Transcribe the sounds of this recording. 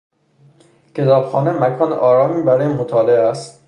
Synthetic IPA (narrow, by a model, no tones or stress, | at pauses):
cʰe̞t̪ʰɒːbxɒːnemækʰɒːnʔɒːɾɒːmiːbæɾɒːjemot̪ʰɒːleæst̪